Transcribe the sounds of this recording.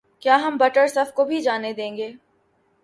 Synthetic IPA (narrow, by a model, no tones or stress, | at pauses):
kjaːɦɐmbɐʈəɾsɐfkobʱid͡ʒaːned̪ẽːŋɡeː